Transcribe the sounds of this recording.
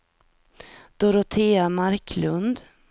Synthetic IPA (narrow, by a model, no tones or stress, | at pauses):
d̪̥ɔɾɔt̪ʰeːamaɾkʰlɵnd̪